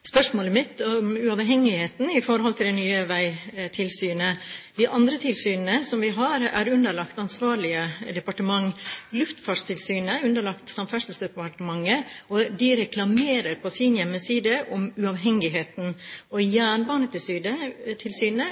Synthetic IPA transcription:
spœʂmoːləmɪt̪ːɔmʉɑʋɦɛŋːɪheːt̪n̩ɪfɔɾɦɔlt̪ʰɪld̪ɛnyːəʋæɪt̪ʰɪlsyːnəd̪ɪʔɑnd̪ɾət̪ʰɪlsyːnnəsɔmʋɪɦɑɾæ̰ɾʉnd̪əɭɑkt̪ɑnsʋɑːɾɭɪəd̪ɛpɑʈəmɑŋːlʉft̪fɑːɖst̪ʰɪlsyːnəʉnd̪əɭɑkt̪sɑmfɛʂt̪lsd̪ɛpɑʈəmɑŋːəɔd̪ɪɾɛklɑmeːɾəɾpʰɔsɪnjɛmːəsiːd̪əʔɔmʉɑʋɦɛŋːɪɦeːt̪n̩ɔjæːɳbɑːnət̪ʰɪlsyːd̪ət̪ʰɪlsyːnə

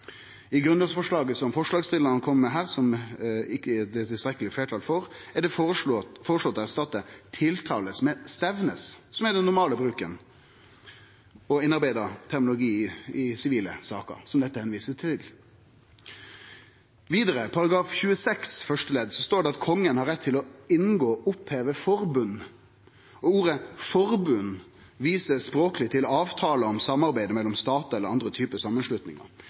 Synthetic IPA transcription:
ɪɡɾʉnɑsfɔʂɭɑːɡəsɔmfɔʂlɑːɡst̪ɪd̪əɾnəkʰɔmːmɛɦæːʁsɔmɪkːəɛd̪ɛt̪ʰɪlst̪ɾɛkːəlɪfleːʈʰɑːlfɔɾæɖɛffoːʁəʂɭɔt̪ːæst̪ɑt̪ːət̪ʰɪlt̪ʰɑ̰ːləsmɛst̪ɛʋnəssɔmæɖɛnːʊɾmɑːləbɾʉːkən | ɔɪnːɑɾbæɪd̪ɑt̪ʰæɾʁmʊlʊɡiːɪsɪʋiːləsɑ̰ːkə̰ɾsɔmd̪ɛt̪ːəhɛnʋiːsət̪ʰɪl | ʋiːd̪əɾəpʰɑɾɑɡɾɑːfçʉːəsɛksfœʂʈəlɛd̪sɔst̪oːɖɛɑt̪̚kʰɔŋːənhɑɾɛt̪ʰːɪlɔɪnɡoːʔʊpheːʋəfɔɾbʉnː | ɔuːɾəfɔɾbʉn | ʋiːsəspɾoːkəlɪt̪ʰɪlɑːʋt̪ʰɑːləɔmsɑmɑɾbæɪd̪əmɛlːɔmst̪ɑːt̪ɑɛlːəɾɑnd̪ɾət̪ʰyːpəsɑmːənslʉt̪nɪ̰ŋɑ̰ɾ

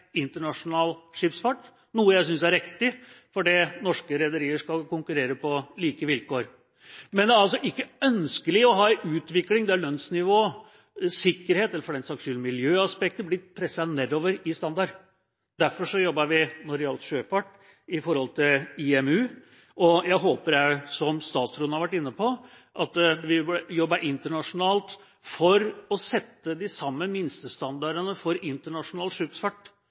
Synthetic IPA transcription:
ɪnt̪əɳɑʂʊnɑːlʂɪpsfɑʈ | nuːəjæɪs̬ʏnsæɾɪkt̪ɪ | fɔɖinɔʂkəɾɛd̪əɾiːəʂkɑkʊŋkʉɾeːɾəpɔliːkəʋɪlkoːɾ | mɛnd̪ɛɾɑls̬ɔʔɪkːəœnskəlɪɔɦɑːɪʔʉːt̪ʋɪklɪŋd̪ɛæɭœnsnɪʋoː | sɪkːəɾheːt̪ɛlːɾfɔɖɛnsɑkʂʉlmɪljøːɑspɛkt̪əblɪtpʰɾɛsːɑnɛd̪oːʋəɾɪst̪ɑnd̪ɑɾ | d̪̥æɾfɔʂɔjɔbːɑʋɪnɔɾɪɑlt̪ʂøːpɑʈː | ɪfɔɾhɔlt̪ʰɪlɪɛmʉː | ɔjæɪɦoːpəɾjæɪsɔmst̪ɑːt̪sɾʉːn̩hɑɾʋæʈːɪnːəpʰɔ | ʔɑt̪ʋɪjɔbːɑʔɪnt̪əɳɑʂʊnɑːlt̪ | fɔɾɔsɛt̪ːəd̪ɪsɑmːəmɪnst̪əst̪ɑnd̪ɑɾənəfɔɾɪnt̪əɳɑʂʊnɑːlt̪ʂʉːk̪sfɑʈː

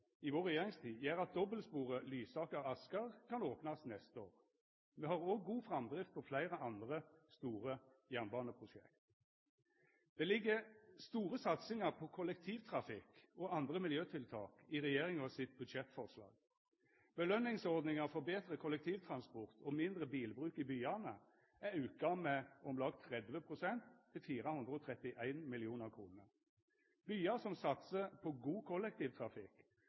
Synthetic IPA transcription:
ɪʋoːʁɛjeːʁɪŋst̪ʰiːd̪jæːʁɑt̪̚d̪ɔbəlspuːʁəlyːsɑːkəʁɑskəʁkʰɑnoːpnɑsnɛst̪əoːʁ | meːhɑʁoːɡːuːfʁɑmd̪ʁɪft̪pʰɔflæɪʁəɑnd̪ʁəst̪uːʁə | jænbɑːnəpʰʁʊʃɛ̰kt̪ | d̪̥ɛːlɪɡːəst̪uːʁəsɑt̪sɪŋəʁpʰɔkʰʊlɛkt̪ʰiːʋt̪ʰʁɑfɪkɔɑnd̪ʁəmɪljøːt̪ʰɪlt̪ʰɑ̰ːkɪʁɛjeːʁɪŋɔsɪt̪̚bʉd̪ʃɛt̪fɔʁʂlɑ̰ːɡ | b̥əlœnːɪŋsɔʁd̪nɪŋəʁfɔʁbeːt̪ɾəkʰɔlɛkt̪ʰiːʋt̪ʰɾɑnspɔʁt̪ʰɔmɪnd̪ʁəbiːlbʁʉːkɪbyːɑnə | æɾʉːk̚ɑmːəɔmlɑːɡt̪ʰɾɛd̪ʋəpʰʁʊsɛnt̪ʰːɪlfiːɾəhʉnd̪ʁəɔt̪ʰʁɛt̪ɪʔæɪnmɪlɪuːnəʁkʰʁuːnəʁ | byːɑsɔmsɑt̪səpʰɔɡuːkʰɔlːɛk̚t̪ʰiːʋt̪ʰʁɑfɪk

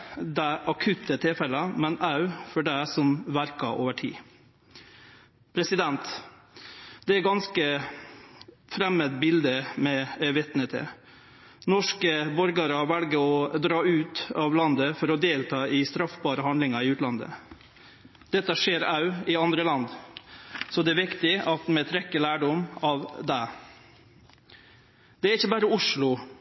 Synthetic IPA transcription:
d̪æɪʔɑkʰʉt̪ːət̪ʰɪlfɛlɑmɛnɑʉfɔɖæsɔmʋæɾkɑʔoːʋəʈʰḭː | pʰɾɛsɪd̪ɛnt̪ | d̪ɛæɡɑnskə | fɾɛməd̪bɪld̪əmɛʋɛt̪nət̪ʰɛ̰ | nɔʂkəbɔɾɡɑɾɑʋælɡəɾɔd̪ɾɑːʉːt̪ɑʋlɑnd̪əfɔɾɔd̪eːlt̪ʰɑːɪst̪ɾɑfbɑːɾəhɑnd̪lɪŋɑɪʉːt̪lɑnd̪ə̰ | d̪̥ɛt̪ːəʂeːɾɑʉɪɑnd̪ɾəlɑnd̪ | sɔd̪ɛæɾʋɪkt̪ɪɑt̪mɛt̪ʰɾɛkːəlæːɖɔmɑʋd̪ɛ | d̪̥ɛæɾɪçːəbɑːɾəʊʂlʊ

